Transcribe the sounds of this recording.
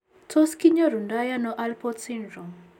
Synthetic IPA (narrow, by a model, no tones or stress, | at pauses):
toskiɲɔɾundajanɔʔalpɔtsindɾum